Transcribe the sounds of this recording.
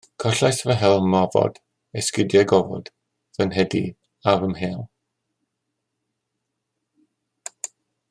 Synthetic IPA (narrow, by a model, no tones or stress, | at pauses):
kʰɔɬajsvəɦɛlˠmɔvɔ̰d̥ | ɛskɪdjɛɡɔvɔ̰d̥ | vənɦɛdi | avəmɦeːlˠ